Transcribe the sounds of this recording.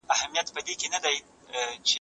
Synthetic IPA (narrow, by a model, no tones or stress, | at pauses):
ahamjat̪pəd̪ekenad̪aj | t͡ʃe